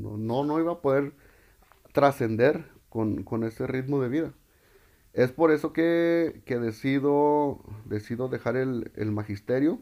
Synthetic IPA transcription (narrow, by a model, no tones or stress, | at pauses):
no̰nono̞iβapo̞ðe̞ɾ | t̪ɾase̞nd̪e̞ɾ | konko̞ne̞se̞rit̪mo̞ðe̞βiða | e̞spo̞ɾe̞so̞keke̞ðe̞siðod̪e̞siðo̞ðe̞xaɾe̞lḛlmaxist̪e̞ɾjo̞